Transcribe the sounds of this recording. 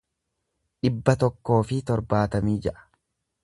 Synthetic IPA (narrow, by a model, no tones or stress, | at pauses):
ᶑɪbːɐt̪ɔkːo̞ːfɪt̪ɔɾbaːt̪ɐmiːd͡ʒɛʔɐ̥